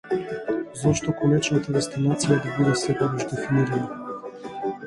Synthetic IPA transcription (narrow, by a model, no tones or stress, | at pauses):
zɔʃt̪ɔkolɛt͡ʃnat̪aɾɛst̪inat̪sijad̪abud̪ɛsɛpɔɡɔʒd̪ɛfiniɾana